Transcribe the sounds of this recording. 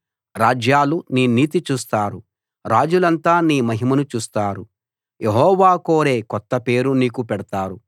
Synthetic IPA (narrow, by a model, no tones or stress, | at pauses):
ɾaːd͡ʒjaːluniːniːt̪it͡ʃuːst̪aːɾu | ɾaːd͡ʒulɐnt̪aːniːmɐɦimɐnut͡ʃuːst̪aːɾu | jʔeɦɔːʋaːkoːɾe̞ːkɔt̪ːɐpe̞ːɾuniːkupɛɽɐt̪aːɾu